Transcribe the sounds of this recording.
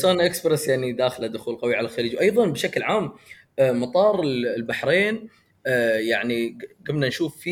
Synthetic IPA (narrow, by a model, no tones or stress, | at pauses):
soːnʔɪkspɾesjaʕnid̪aːxlad̪ʊxuːlqawiʕalalxaliːd͡ʒwʔɑjðˤɑnbʃaklʕaːmː | mɑt̪ˤɑːɾˤɪllbaħɾeːnː | jaʕniɡablanʃuːfːi